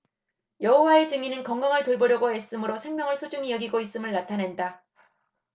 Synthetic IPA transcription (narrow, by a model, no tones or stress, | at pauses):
jʌɦowae̞t͡ɕɯŋinɯnkʌŋɡʌŋɯɭtoɭbʌɾjʌɡoes͈ɯmɯɾosʰe̞ŋmjʌŋɯɭsʰod͡ʑuŋijʌɡiɡois͈ɯmɯɭnatʰanenda